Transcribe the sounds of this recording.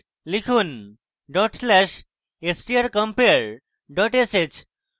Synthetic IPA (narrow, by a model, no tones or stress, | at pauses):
likʰuːn | ɖɔʈslɛʃ | esʈiəɾkə̃mpeɾ | ɖɔʈeset͡ɕ